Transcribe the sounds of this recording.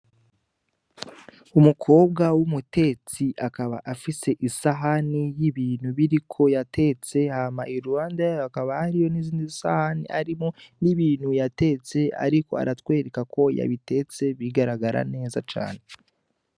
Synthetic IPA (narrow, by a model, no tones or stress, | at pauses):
umukʰo̞ːb̚ɡawumute̞t͡siʔakaβa̰ʔafise̞ʔisaɦanijiβiːn̥huβiɾikʰo̞jatʰe̞t͡se̞haːmaʔiɾuwaːndajajoakaβahaɾijo̞niziːndizisa̰hanḭʔaɾimo̞niβiːnhujate̞t͡se̞a̰ɾiko̞a̰ɾatwe̞ːɾekako̞ja̰βite̞t͡se̞βiɡaɾaɡaɾʔa̰ne̞ːzat͡ʃa̰ːne